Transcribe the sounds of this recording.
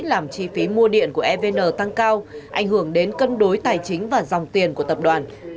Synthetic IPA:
laː˨˩mt͡ɕi˧fi˨˦mu˧əɗḭ˧˨ənku˧˩əʔɛ˧ve˧nəː˨˩t̪a˧ŋkaː˧wʔa˧˩jŋ̟hɨ˧˩əŋɗe˨˦nkə˧nɗo˨˦jt̪aː˨˩jt͡ɕï˨˦ŋ̟vaː˨˩zɔ˨˩wŋ͡mt̪i˨˩ənku˧˩ət̪ə˨˩p̚ɗwaː˨˩n

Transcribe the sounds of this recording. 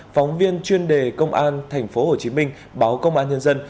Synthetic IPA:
fɔ˨˦wŋ͡mvi˧ənt͡ɕwi˧ənɗe˨˩kə˧wŋ͡mʔaː˧nt̪ʰɛ˨˩ŋ̟fo˨˦ho˨˩t͡ɕi˨˦mï˧ŋ̟ | ɓaː˨˦wkə˧wŋ͡mʔaː˧nɲə˧nzə˧n

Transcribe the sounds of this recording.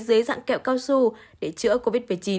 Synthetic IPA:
zɨ˨˦jza̰ː˧˨ŋkɛ̰˧˨˩wkaː˧wsu˧ɗe˧˩t͡ɕɨ̰˧˥əko˧vi˦˥t̚mɨ˨˩ət͡ɕi˨˦

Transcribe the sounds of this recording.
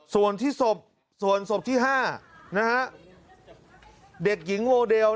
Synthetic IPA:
su˨˩ənt̪ʰiː˥˩so˨˩p̚ | su˨˩ənso˨˩p̚t̪ʰiː˥˩ɦaː˥˩na˦˥kʰa˦˥ʔ | de˨˩k̚ji˩˦ŋwoː˧deː˧w

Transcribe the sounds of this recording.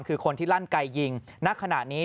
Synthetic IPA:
ŋkʰɯː˧kʰo˧nt̪ʰiː˥˩la˦˥˩nka˧jːi˧ŋna˦˥kʰa˧na˨˩ʔniː˦˥

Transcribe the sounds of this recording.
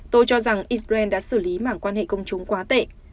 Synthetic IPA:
t̪o˧jt͡ɕɔ˧za˨˩ŋʔi˧sa˧ɛ˧nɗa̰ː˧˥sɨ˧˩li˨˦ma̰ː˧˩ŋkwaː˧nhḛ˧˨kə˧wŋ͡mt͡ɕʊ˨˦ŋ͡mkwaː˨˦t̪ḛ˧˨

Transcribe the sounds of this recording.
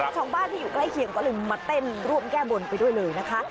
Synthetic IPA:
t͡ɕ̪ʰɔː˩˦ŋbaː˥˩˨nt̪ʰiː˥˩juː˨˩kla˥˩jkʰi˧əŋkɔː˥˩lɤː˧maː˧t̪e˥˩nɾu˥˩əmkɛː˥˩bo˧npa˧jdu˥˩əjlɤː˧jna˦˥kʰa˦˥

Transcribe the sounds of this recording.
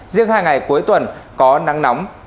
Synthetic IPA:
zɨ˧əŋhaː˧jŋa˨˩jku˨˦əjt̪wə˨˩nkɔ˨˦na˨˦ŋna˨˦wŋ͡m

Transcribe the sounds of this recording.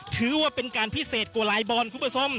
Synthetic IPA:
t̪ʰɯː˨˦waː˧˩pe˧nkaː˧npʰi˦˥˩seː˨˩t̪̚kwlaː˨˦jbɔː˧nkʰu˧˦˥pa˧sʰo˧˥˩m

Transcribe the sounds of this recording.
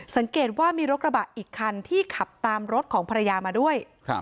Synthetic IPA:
sa˨˩˦ŋkeː˨˩t̪̚waː˥˩miː˧ɾo˦˥t̪̚ɾa˧baː˨˩t̪̚ʔiː˨˩kʰːa˧nt̪ʰiː˥˩kʰa˨˩p̚t̪aː˧mɾo˦˥t̪̚kʰɔː˩˦ŋpʰa˧ɾa˧jaː˧maː˧du˥˩əj̰

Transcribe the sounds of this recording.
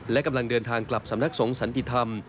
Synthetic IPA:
lɛ˦˥ka˧mla˧ŋdɤː˧nt̪ʰaː˧ŋkla˨˩p̚sa˩˦mna˦˥k̚so˩˦ŋsa˨˩˦nt̪i˧˩t̪ʰa˧m

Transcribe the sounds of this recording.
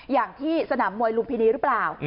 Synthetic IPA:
jaː˨˩ŋt̪ʰiː˥˩sa˧naː˩˦mːu˧əjlu˧ŋpʰiː˧niː˦˥ɾɯ˦˥plaː˨˩w

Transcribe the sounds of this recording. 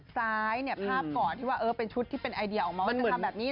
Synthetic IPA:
saː˦˥jni˥˩ɐpʰaː˥˩p̚kɔː˨˩nt̪ʰiː˥˩waː˥˩ʔɤː˧˩pe˧nt͡ɕʰu˦˥t̪ʰːiː˥˩pe˧nʔa˧jdi˧ɐʔɔː˨˩maː˧a˧˥˦nʰ˩˨˩a˧bɛː˨˩p̚niː˦˥

